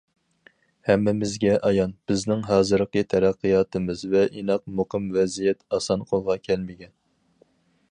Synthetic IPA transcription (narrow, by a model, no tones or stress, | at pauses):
hɛmːɪmɪzɡʲɛʔɑjɑnb̥ɪznɪŋɦɑːzɨɾqət̪ʰæɾæqːɨjɑːt̪ʰɨmɨzvɛʔinɑq̚moqʰɨmvɛzijɛt̪ɑsɑnqʰolˠʁɑkʲʰɛlmɪɡʲɛn